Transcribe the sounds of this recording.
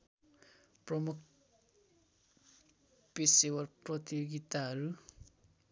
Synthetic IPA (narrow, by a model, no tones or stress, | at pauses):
prʌmuk̚ʰ | pesewʌrprʌt̪ijoɡit̪aɦʌɾu